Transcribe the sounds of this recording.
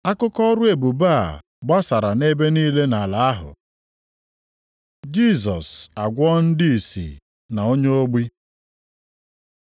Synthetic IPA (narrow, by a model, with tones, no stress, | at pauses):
a˦kʊ˦kɔ˦ɾʊ˦e˨bu˨ba˦˨ | ɡ͡ba˦sa˨ɾa˨ne˦be˦niː˦le˦na˨la˨a˦ɦʊ̰˨ | d͡ʒi˦s̬ɔ˨sa˨ɡʷɔ˦n̩˦dɪ˦i˨sḭ˨ | na˨o˦ɲe˦o˦ɡ͡bi˦